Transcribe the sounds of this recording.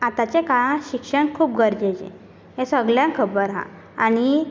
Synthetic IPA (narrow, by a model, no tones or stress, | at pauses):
at̪at͡ɕekaãɕikʂəɳkʰuːpɡəɾd͡ʑed͡ʑḛ̃ | ɦẽsəɡljãkʰəbəɾɦã̰ | a̰ɽ̃i